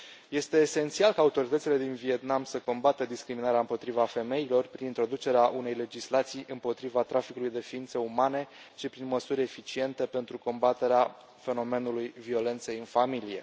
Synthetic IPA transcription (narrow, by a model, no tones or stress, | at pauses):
je̞st̪e̞ːse̞nt̪sialkaːut̪o̞ɾit̪ət̪sile̞d̪invie̞t̪namsəko̞mbat̪əd̪iskɾiminaɾeaɨmpo̞t̪ɾivafe̞me̞ilo̞rpɾinint̪ɾo̞d̪ut͡ʃe̞ɾeaʔune̞jle̞d͡ʒislat̪sijʔɨmpo̞t̪ɾivat̪ɾʔafikulujd̪e̞fiint̪səumane̞ʃipɾinməsuɾʲefit͡ʃie̞nt̪e̞pe̞nt̪ɾuko̞mbat̪e̞ɾea | fe̞no̞me̞nulujvio̞le̞nt̪sejɨnfamilije̞̰